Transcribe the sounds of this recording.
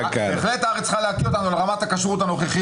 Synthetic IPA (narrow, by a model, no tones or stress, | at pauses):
keχlet̪aaʁet͡ssχaleakiot̪anuleʁamat̪akaʃʁut̪ano̞χeχi